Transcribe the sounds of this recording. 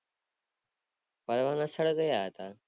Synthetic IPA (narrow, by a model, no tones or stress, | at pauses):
pəɾʋaːnãːsəɽɡəjaɦt̪aː